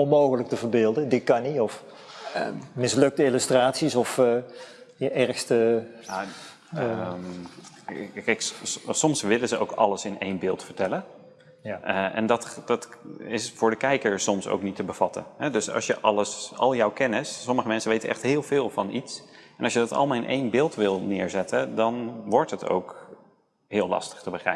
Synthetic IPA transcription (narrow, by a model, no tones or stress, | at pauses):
ɔnmoːɣələk̚təvəɹbɪːlˠdədɪt̚kɑniɔf | mɪslɵk̚təɪlystraːtsisɔf | jəʔɛɹxstəja | kɛjksɔmsʋɪləzəʔo̰wkɑ̰ləsɪnejnbɪːlˠtfəɹtɛlən | əʔɛ̰ndɑtdɑtɪsfʊːɹdəkɛjkəɹsɔmso̰wknitəbəv̥ɑtə̰nɦɛdɵsɑ̰sjəʔɑləsɑ̰lˠjɔwkɛnəsːɔməχəmɛnsəʋejtəʔɛ̰χtɦɪːlˠvɪːlˠvɑnitsɛnɑlˠʃjədɑtɑ̰lˠmaːlˠɪnʔḛjnbɪːlˠtʋɪlˠnɪːɹzɛtədɑnʋɔɹtɦətʰo̰wk | ɦɪːlɑ̰stə̥χtəbəχrɛ̰ə